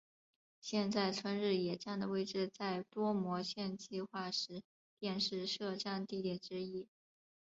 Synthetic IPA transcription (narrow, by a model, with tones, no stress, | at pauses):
ɕjɛ˥˧nt͡sa˥˩ɪt͡sʰwə˥nɻɻ̩˥˩jɛ˨˩ʈ͡ʂja˥˩ŋd̪ə˩we˥˧ɪʈ͡ʂɻ̩˥˧t͡sa˥˩ɪt̪wɔ˥mwɔ˧˥ɕjɛ˥˧nt͡ɕi˥˧xwa˥˩ʂɻ̩˧˥ | t̪jɛ˥˧nʂɻ̩˥˧ʂɤ˥˧ʈ͡ʂa˥˧nt̪i˥˩t̪jɛ˨˩ʈ͡ʂɻ̩˥i˥